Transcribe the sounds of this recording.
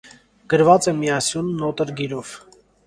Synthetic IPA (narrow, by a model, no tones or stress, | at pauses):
ɡ̥əɾvɑt͡sɛmiɑsjunːɔt̪əɾɡiɾɔv̥